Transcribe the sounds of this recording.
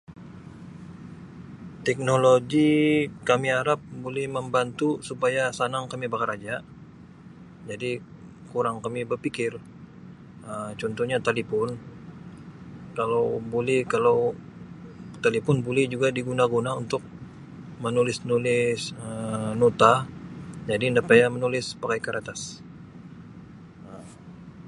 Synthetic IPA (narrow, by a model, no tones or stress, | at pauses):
t̪ɛk̚noloɡikamiaɾap̚bolɛhməmbant̪usupajasanaŋkamibakaɾad͡ʒaʔ | d͡ʒadi | kuɾaŋkamibərpikɪr | ət͡ʃɔnt̪ɔhɲat̪alipɔn | kalawbolɛhkalaw | t̪alipʊnbulɛhd͡ʒuɡadiɡunaɡunaunt̪ʊk̚ | mənulɪsnulɪsənut̪a | d͡ʒadindapajamənulɪspakajkaɾʔat̪as | ə